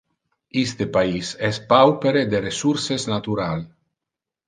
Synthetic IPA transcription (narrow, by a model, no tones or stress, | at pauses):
ist̪epaisɛspawpeɾed̪eɾesuɾsesnat̪uɾal